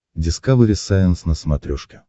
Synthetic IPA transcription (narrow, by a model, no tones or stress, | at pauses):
dʲɪskavɨɾʲɪsajɪnsnəsmɐt̪ɾʲoʂkʲɪ̥